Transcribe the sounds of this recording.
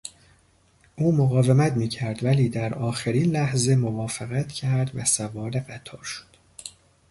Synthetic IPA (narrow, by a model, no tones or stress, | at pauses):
ʔuːmoɣɒːve̞mæt̪miːcʰæɾd̪væliːd̪æɾɒːxeɾiːnlæhze̞movɒːfeɣæt̪cʰæɾd̪væsævɒːɾe̞ɢæt̪ʰɒːɾʃo̥d̪̥